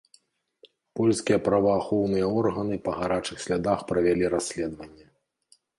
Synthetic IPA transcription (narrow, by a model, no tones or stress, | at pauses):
pɔlʲskʲijɐpɾɐvɐːxɔwn̪ɨjɐɔrɣɐnɨpɐɣaɾat͡ʂɨxsʲlʲad̪axpɾɐvʲalʲiɾasʲlʲɛd̪vɐnʲːɐ